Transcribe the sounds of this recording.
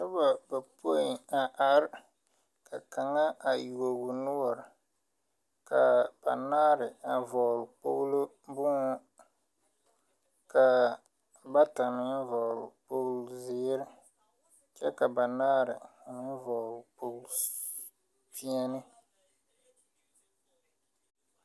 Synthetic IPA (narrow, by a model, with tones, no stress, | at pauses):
ta˦ba˨ba˨pʰo˦ɪ˨a˨ʔa˨ɾɪ˦ | ka˨ka˨ŋa˦a˨ju˨o˨ɡʊ˨nʊ˦wɔ˨ɾ | ka˨b̥a̰˨naː˦ɾɪ˨a˨vɔː˨lk͡po˦ɣlʊ˦ | bʊ˦ŋɔ˦ | ka˨ | ba˦ta˨mɪ˦n˦vɔ˨lʊ˨po˦ɣlzɪː˦ɾɪ˦ | t͡ʃɛ˦ka˨ba˨naː˦ɾɪ˨ʊ˨nɪ˦vɔ˨lpo˦ɡl | pi˦a˦nɪ˦